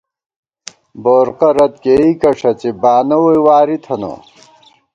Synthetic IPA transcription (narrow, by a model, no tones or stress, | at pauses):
boːɾqɐɾɐt̪̚keikɐʂɐt͡ɕebaːnɐwojwaːɾit̪ʰɐno̰